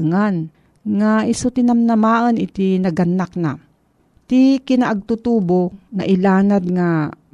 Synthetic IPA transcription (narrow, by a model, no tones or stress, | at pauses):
ŋan | ŋaʔɪsʊt̪ɪnamnɐmaːʔənɪt̪inɐɡɐnːak̚na̰ | t̪ikɪnaʔɐɡ̚t̪ut̪uːbonɐʔɪlaːnad̪̚ŋa